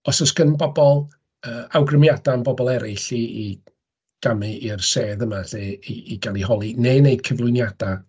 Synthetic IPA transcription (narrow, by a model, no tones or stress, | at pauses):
ɔsɔskənbɔbɔlˠ | əːawɡrəmjadanbɔbɔlˠɛɾɪɬii | ɡ̥amɨʔirseːðəmaɬeiːɡ̥alˠiɦɔlˠineneɨd̚kʰəvlˠʊɨnjad̥a